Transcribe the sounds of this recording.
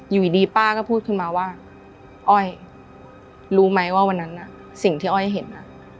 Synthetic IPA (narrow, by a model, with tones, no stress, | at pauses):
juː˨˩i˨˩diː˧paː˥˩kɔː˥˩pʰuː˥˩t̪̚kʰɯ˥˩nmaː˧waː˥˩ | ʔɔ˥˩j | ɾuː˦˥ma˦˥jwaː˥˩wa˧nːa˦˥nːa˨˩ | si˨˩ŋt̪ʰiː˥˩ʔɔː˥˩jɦe˩˦nːa˦˥